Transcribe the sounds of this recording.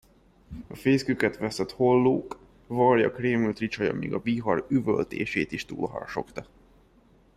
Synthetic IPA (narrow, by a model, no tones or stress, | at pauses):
ɒfeːskykɛt̪ʋɛsɛt̪ho̞lːoːk | vɒrjɒkreːmylt̪rit͡ʃɒjɒ̰mʔḭːɡɒbiɦɒryvø̰lt̪eːʃeːt̪iʃt̪ṵːlɦɒ̰rʃo̞̰kt̪ɒ